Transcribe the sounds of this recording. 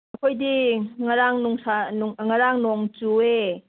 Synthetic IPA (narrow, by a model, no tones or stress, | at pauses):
ɐkʰojdiŋaɾaŋnuŋsanŋŋaɾaŋnoŋt͡ʃue